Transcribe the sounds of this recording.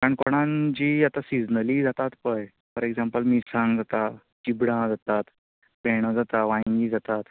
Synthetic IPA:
kaɳkoɽ̃ãnd͡ʑiːat̪asid͡znəliːd͡zat̪at̪pəj | pəɾeɡd͡zampəlmisãŋɡd͡zat̪a | t͡ɕibɽãd͡zat̪at̪ | peɽ̃əd͡zat̪aʋãjŋɡiːd͡zat̪at̪

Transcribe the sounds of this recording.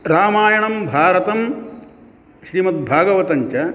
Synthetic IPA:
ɾaːmaːjɐɳɐmbʱaːɾɐt̪ɐm | ʃɾiːmɐt̪̚bʱaːɡɐʋɐt̪ɐɲt͡ʃɐ

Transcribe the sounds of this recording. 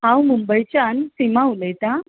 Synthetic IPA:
ãwmumbəjt͡ɕjansimauləjt̪a

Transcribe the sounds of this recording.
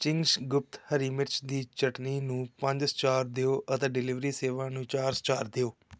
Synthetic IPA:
t͡ʃɪ̃ŋɡsɡʊp̚t̪həɾiːmɪt͡ʃd̪iːt͡ʃəʈniːnũːpəɲd͡ʒst͡ʃaːɾd̪eoːʔət̪eːɖɪlɪʋɾiːseːʋãːnũːt͡ʃaːɾst͡ʃaːɾd̪eoː

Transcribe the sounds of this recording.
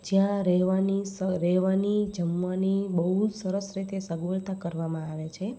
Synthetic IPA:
d͡ʒjãɾɛɦʋanisəɾɛɦʋanid͡ʒəmʋanibəɦud͡ʒsəɾəsɾit̪esəɡʋəɭt̪akəɾʋamãaʋet͡ʃʰe

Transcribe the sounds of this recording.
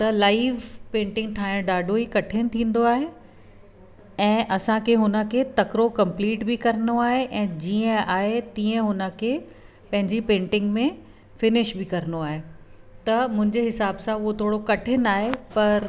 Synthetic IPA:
t̪ɐlaːiʋpẽːɳʈɪ̃ŋɡ̚ʈʰaːɪ̃ɖaːɖʱoikɐʈʰɪñɪ̃̆t̪ʰĩːn̆d̪oaːɦe | ɛ̃ːʔɐsãkʰeɦʊnə̆kʰet̪ɐkɾokɐ̃mpliːʈbikɐɾənoaːɦeʔɛ̃ːd͡ʑiːə̃aːɦet̪iːə̃ɦʊnə̆kʰe | pɐ̃ɦɪ̃ɲd͡ʑipẽːɳʈɪ̃ŋɡmẽ | fɪnɪʃbɪkɐɾənoaːɦet̪ɐmʊ̃ɦɪ̃ɲd͡ʑeɦɪsaːbsãʊɦot̪ʰoːɽokɐʈʰɪnaːɦepɐɾ

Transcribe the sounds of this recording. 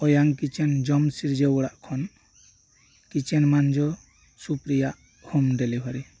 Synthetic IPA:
ɔjaŋkit͡ʃɛnd͡ʒɔmsiɾd͡ʒɛwɔɽaʔkʰɔn | kit͡ʃɛnmand͡ʒɔ | supɾijaʔ | humɖelibʱɔɾi

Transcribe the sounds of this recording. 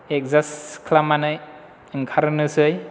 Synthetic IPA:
ek̚zaskʰlamanɯj | ɯŋkʰaɾɯnɯsɯj

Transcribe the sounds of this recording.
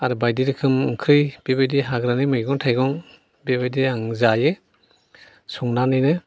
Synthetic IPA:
aɾɯbajdiɾɯkʰɯmɯŋkʰɾɯjb̥ebajdiɦaɡɾanimɯjɡɔŋtʰajɡɔŋ | bebajdiaŋzajɯ | suŋnanɯjnɯ

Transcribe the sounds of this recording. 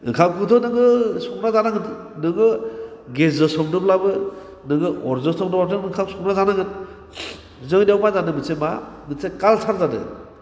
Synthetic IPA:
ɯ̰kʰamkʰutʰɔnɯɡɯsɔknazanaŋɯn | nɯɡɯ | ɡezɯsɔŋdɯplabɯ | nɯɡɯʔɔɾzɯsɔŋdɯplapɯɯkʰamsɔknazanaŋɯn | zɯŋdawmazanɯmɯsemanɯsekalsʰaɾzadɯ̰

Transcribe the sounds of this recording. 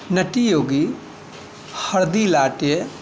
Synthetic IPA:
nɐʈijoːɡi | hɐɽd̪ilaːʈje

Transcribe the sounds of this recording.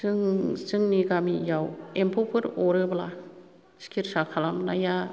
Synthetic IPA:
sɯŋsɯŋniɡamijawempʰɔpʰɯɾɔɾɯbla | skʰiɾsakʰalamnaja

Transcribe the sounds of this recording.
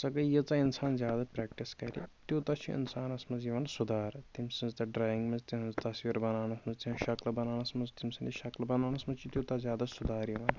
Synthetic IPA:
sɐɡɐjet͡sainsaːnzʲjaːd̪apɾɛːkʈiskɐɾʲḭt̪jut̪ɐt͡ʃʰiḭnsaːnɐsmɐzjɐʋɐnsʊd̪aːɾt̪imsĩnzt̪ɐɖɾaːjĩŋɡmɐzt̪iɐnzt̪ɐsʋiɾbɐnaːnɐsmɐnzt̪iʃɐklbɐnaːnɐsmɐzt̪imsind̪iʃɐklbɐnaːnɐsmɐt͡ʃʰit̪ʲjut̪azjaːd̪asʊd̪aːɾjɐʋɐn

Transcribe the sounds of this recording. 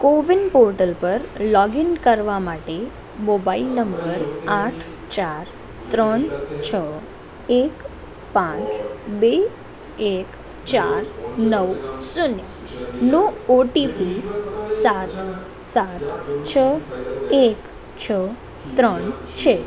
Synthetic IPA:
koʋinpoɾʈəlpəɾlɔɡinkəɾʋamaʈe | mobailnəmbəɾaʈʰ | t͡ʃaɾ | t̪ɾəɳt͡ʃʰə | ek | pãt͡ʃbe | ek | t͡ʃaɾnəʋsune | nooʈipisat̪ | sat̪t͡ʃʰə | ek | t͡ʃʰə | t̪ɾəɳ | t͡ʃʰe

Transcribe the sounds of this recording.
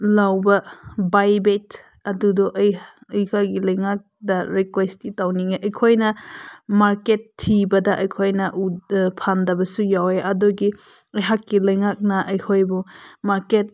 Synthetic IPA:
lawbɐbajbet | ɐdudɔʔɐjjhʰaɡilɐjŋak̚dɐɾikwestitawniŋeʔɐjkʰojnɐmaɾketʰːibɐdɐʔɐjkʰojnɐʔupʰandɐbɐsujaweʔɐdoɡi | ɐjɦakːilɐjŋak̚nɐʔɐjkʰojbumaɾket̚

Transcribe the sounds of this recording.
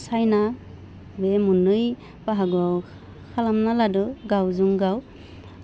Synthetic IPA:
sajna | bemunɯj | paɦaɡɔw | kʰalamnaladɯɡawzuŋɡaw

